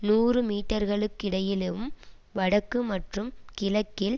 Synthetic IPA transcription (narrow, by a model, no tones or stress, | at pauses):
nuːrɯmiːʈːɐɾɣɐɭɯkːɪɽɐjɪleʋɯm | ʋɐɽɐkːɯmɐʈrɯmkɪlɐkːɪl